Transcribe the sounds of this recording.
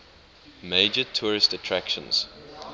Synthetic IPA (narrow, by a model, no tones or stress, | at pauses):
meɪd͡ʒətʰɔːɹɪstətʰɹækʃə̰̃nz̥